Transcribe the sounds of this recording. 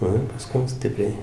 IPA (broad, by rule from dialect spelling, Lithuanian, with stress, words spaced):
ˈnʊ ɪr pɐˈskʊm ˈsʲtʲɪpʲrʲɛɪ